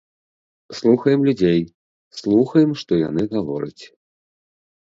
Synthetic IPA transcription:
slˠuxɐjɛmlʲud͡zʲej | slˠuxɐjɛmʂt̪ɔja̰nɨɣavɔɾɐ̰t͡sʲ

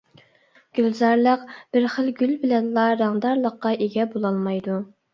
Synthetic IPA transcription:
ɡ̥ʲylzɑɾlˠəqb̥ɪɾχəlˠɡʲylbɪlɛnlˠɑɾɑŋd̪ɑɾlˠəqːɑʔeɡʲɛbolˠɑlˠmɑjd̪u

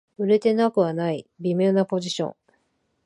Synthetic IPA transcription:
ɯ̟ɾe̞t̪e̞nakɯ̟βanaibʲimʲo̞ːnapo̞ʑiɕõ̞̰ŋ

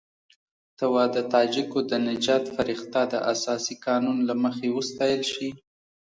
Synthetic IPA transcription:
t̪awɑd̪ət̪ɑd͡ʒɪkod̪ənɪd͡ʒɑt̪faɾɪxt̪ɑd̪ə̰ʔasɑsikɑnunlaməxewəst̪ɑjəlʃi

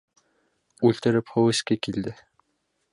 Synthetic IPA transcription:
ʉlt̪ɘ̆ɾɘphɵwɘ̆skekild̪ɘ

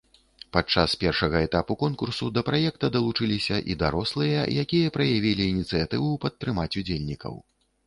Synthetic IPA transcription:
pat͡ʂːaspʲɛrʂɐɣɐɛt̪apukɔnkursud̪ɐpɾajɛk̚t̪ɐd̪ɐlˠut͡ʂɨlʲisʲɐʔḭd̪aɾɔslˠɨjɐjakʲijɐpɾɐjavʲilʲiːnʲit̪sɨjat̪ɨvupɐt̪ːɾɨmat͡sʲud͡zʲelʲnʲikɐ̰w

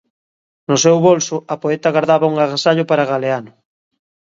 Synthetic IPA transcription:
nʊsewβolsʊɐpoet̪ɐɣaɾðaβɐuŋaɣasaʎʊpaɾaɣaleanʊ

